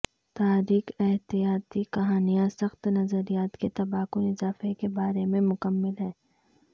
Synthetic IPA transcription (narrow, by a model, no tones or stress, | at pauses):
t̪aːɾiːkɛɦt̪ijaːt̪ikɐɦaːnijãsɐxt̪nɐzəɾijaːt̪ket̪ɐbaːkʊnɪzaːfekebaːɾemẽmʊkəmːɪlɦɛː